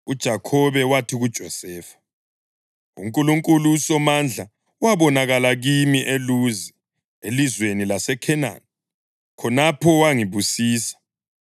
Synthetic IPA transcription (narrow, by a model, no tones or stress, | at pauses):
ud̥ʒ̥ʱakʰɔβɛwatʰiɣud̥ʒ̥ʱɔsɛːfḁ | ṵŋkʼuluŋkʼulusɔmand͡ɮʱa | waβɔnaɣalaɣimiʔeluzɛ | elizwenilasɛkʰɛna̰ːn | kʰɔnapʰɔwaŋiβusiːsḁ